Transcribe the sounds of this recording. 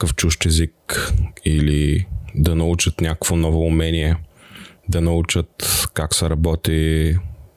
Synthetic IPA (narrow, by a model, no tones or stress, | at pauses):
kəft͡ʃuʃt̪ɛzik | ilid̪ɐnɐut͡ʃət̪nʲakəkvonɔvoːmɛniɛ | d̪ɐnɐut͡ʃət̪kaksɛɾɐbɔt̪i